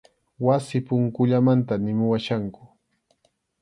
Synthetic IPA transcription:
wasɪpʊŋkʊʎamant̪anɪmʊwaʃaŋkʊ̥

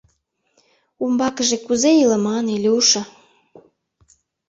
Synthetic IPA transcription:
umbɑkəʒekuzeilə̆mɑnelʲeuʃə

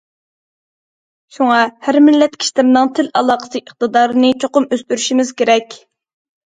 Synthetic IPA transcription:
ʃuŋɑhæɾmɪlːɛt̪kʲʰi̥ʃt̪ɪmnɨŋt̪ʰɪlɑlˠɑːqə̥sɨəχ̚t̪ɨd̪ɑːɾɨnɨt͡ʃʰoqʊmøst̪yɾyʃimɪz̥kʲeɾɛkʲ

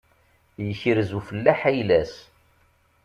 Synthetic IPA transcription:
jəçəɾzufəlːæħæjlæs

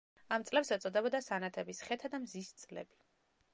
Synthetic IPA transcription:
amt̪sʼlɛpsɛt̪sʼɔd̪ɛbɔd̪asanat̪ʰɛbisχɛt̪ʰad̪amzist̪sʼlɛ̰bi

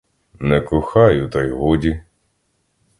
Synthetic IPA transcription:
nɛkʊxɑjʊt̪ɔjɦudʲi

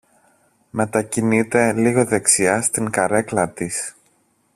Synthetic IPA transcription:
me̞t̪ɐcinit̪e̞liɣo̞ðe̞ksiɐst̪iŋkɐɾe̞klɐt̪is

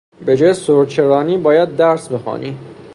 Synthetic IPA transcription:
be̞d͡ʒɒːjesoɾt͡ʃʰeɾɒːniːbɒːjæd̪̚ːæɾsbe̞xɒ̰ːnḭ

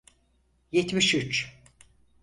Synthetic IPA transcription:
jet̪miʃyt͡ʃ

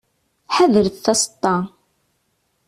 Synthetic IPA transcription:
ħaðəɾθθɑsə̥t̪ˤːɑ

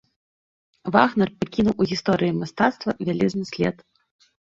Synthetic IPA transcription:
vaɣnɐrpakʲinuwuɣʲist̪ɔɾɨjimast̪at̪st̪vɐvʲalʲɛznɨsʲlʲɛ̰t̪

